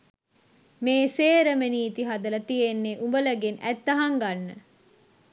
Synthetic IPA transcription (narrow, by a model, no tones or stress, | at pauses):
meːseːɾəmeniːt̪iɦad̪əlɐt̪ijenːeʔumbələɡenæt̪ːɐɦɐŋɡanːə